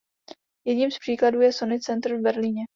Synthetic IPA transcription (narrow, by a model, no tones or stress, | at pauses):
jɛdɲiːmspr̥iːkladuːjɛso̞nɪt͡sɛnt̪ɾ̩vbɛɾliɲɛ